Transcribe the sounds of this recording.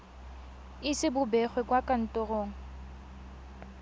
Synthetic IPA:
ɪsɪbʊbɛχwɛkʼwakʼan̩tʼʊroːŋ̩

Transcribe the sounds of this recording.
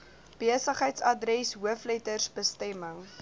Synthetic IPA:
b̥iəsəχɦəjtsɐdrɛsɦuəflɛtərsbəstɛməŋ

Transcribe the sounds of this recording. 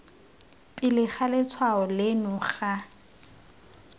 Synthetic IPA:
pʼɪlɪχʰalɪt͡sʰwaɔlɪnʊχa

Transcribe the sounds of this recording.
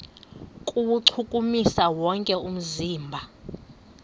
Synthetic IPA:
kʼuwuǀʰukʼumisawɔŋkʼɛum̩ziːmbʱa

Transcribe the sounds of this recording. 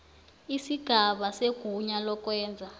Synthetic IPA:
isiɡ̥ʱaɓaseɡ̥ʱuɲalɔkwɛːnd͡zʱa

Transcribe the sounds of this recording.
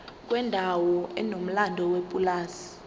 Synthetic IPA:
k̬ʼwɛndʱawɔɛnom̩landʱɔwepʼulaːsi̥

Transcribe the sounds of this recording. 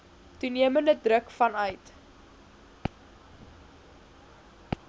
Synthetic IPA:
tuniəməndədrəkfɐnœɥt

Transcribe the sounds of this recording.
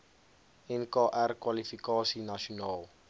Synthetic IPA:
ɛnkɑːʔærkwalifikɑːsinaʃonɑːlˠ

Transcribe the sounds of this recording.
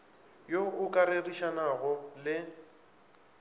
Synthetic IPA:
joʊkʼaɾeriʃanaɣʊlɪ

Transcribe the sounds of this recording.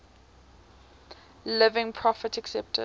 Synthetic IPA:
lɪvɪ̃ŋpʰɹɔfətɛksɛp̚tʰə̰

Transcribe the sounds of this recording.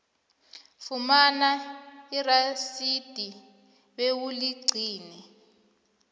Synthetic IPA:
fumanairasid̥ʱi | ɓewuliɡ͡ǀʱiːnɛ

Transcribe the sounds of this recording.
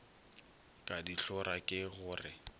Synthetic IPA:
kʼadiɬʊɾakʼɪɣʊːrɪ

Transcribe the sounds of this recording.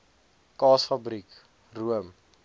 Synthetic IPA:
kɑːsfabrik | ruəm

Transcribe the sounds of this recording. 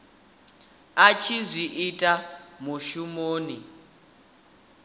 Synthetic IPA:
at͡ʃʰizʷiʔitʼamuʃumoːni

